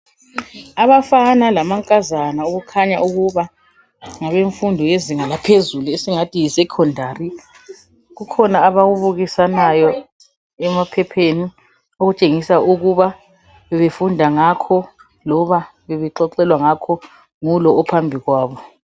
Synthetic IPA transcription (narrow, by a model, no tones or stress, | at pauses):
aβafanalamaŋkʼazanaoɣukʰaɲaʔuɣuβa | ŋaβeɱfundʱɔjeziŋalapʰezuluesiŋatʰijisɛkʰɔndʱari | ɣukʰɔnaːβaɣuβuɣisanajɔ | ɛmapʰɛpʰeni | oɣut͡ʃʼeŋisauɣuβa | βɛβefundʱaŋakʰɔ | lɔβa | βɛβɛǃɔǃɛlwaŋakʰɔ | ŋulɔːpʰambʱiɣwaːβɔ